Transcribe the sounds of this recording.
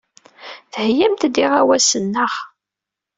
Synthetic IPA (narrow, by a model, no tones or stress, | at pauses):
θhjæmt̪d̪iʁæwæsənːəχ